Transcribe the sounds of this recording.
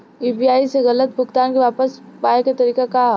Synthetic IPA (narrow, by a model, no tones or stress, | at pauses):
iːbiaːiseɣɐlət̪̚bʱʊɡt̪aːnkiʋaːpəspaːeket̪ɐɾiːkaka